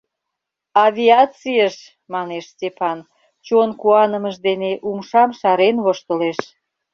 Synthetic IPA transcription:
ɑβʲiɑt͡sijəʃ | mɑneʃstʲefɑn | t͡ɕonkuɑnəməʃd̪eneʔumʃɑmʃɑɾenβoʃt̪əleʃ

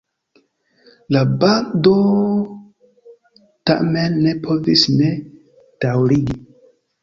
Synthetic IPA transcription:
labando | ta̰menːe̞pʰo̞visne̞ | d̥awɾiɡi

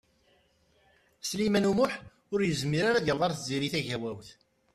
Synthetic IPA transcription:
slimænumʊħ | ʊɾjəzmiɾaɾaðjəlðˤɑɾˤθziɾiθæʝæwæwθ

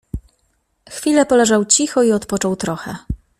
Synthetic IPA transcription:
xfʲilɛpɔlɛʐawt͡ɕixɔiɔt̪pɔt͡ʂɔwt̪ɾɔxɛ

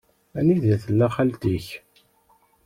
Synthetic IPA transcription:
æniðæθəlːæχælt̪iç

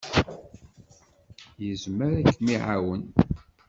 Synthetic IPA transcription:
jəzməɾækːmiʕawən

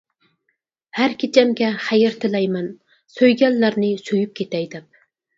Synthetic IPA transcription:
hæɾkʲʰit͡ʃʰɛmɡʲɛχæjɪɾt̪ʰɪlɛjmɛn | søjɡʲɛlːæɾnɪsojyp̚kʲʰet̪ɛjd̪ɛp̚

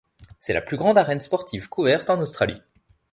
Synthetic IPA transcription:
sɛla̰plyɡʁɑ̃d̪aʁɛnspɔʁt̪ʰivkʰuvɛʁt̪ɑ̃nost̪χalḭ

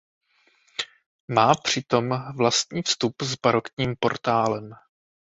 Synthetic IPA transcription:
maːpr̝̥ɪt̪o̞mvlast̪ɲiːfst̪upzbaɾokɲiːmpo̞̰ɾt̪aːlɛm

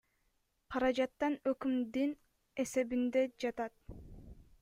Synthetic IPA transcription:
qʰɑɾɑd͡ʒɑt̪ːɑnøkymd̪in | e̞se̞bind̪ed͡ʒɑt̪ɑt̪̚

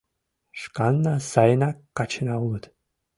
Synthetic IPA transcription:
ʂkanːasajnakat͡ʃʰɪnawlɨd̪

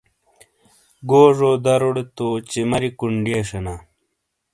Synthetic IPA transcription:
ɡoːʐoːd̪ɐɾoɽet̪oːt͡ɕemɐɾikuɳɖeːʂena

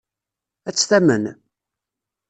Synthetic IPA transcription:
æt͡sːθæmən

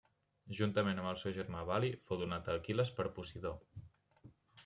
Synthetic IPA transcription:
ʒunt̪əmenəmbəlˠsɛwʒəɾmaβalifowðunat̪əkiləspəɾpusiðo

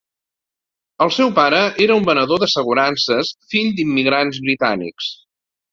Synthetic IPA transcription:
əlˠsɛwpaɾəʔeɾəumbənəðoðəsəɣ̞uɾansəsfiʎd̪imːiɣ̞ɾanzβɾit̪a̰nḭks

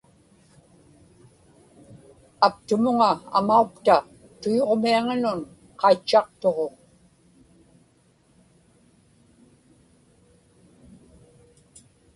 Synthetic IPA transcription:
apt̪ʊmʊŋaa̰maukt̪a | t̪ujo̞ʁmiaŋanʊn | qɑit͡ʃːɑqt̪o̞ʁo̞

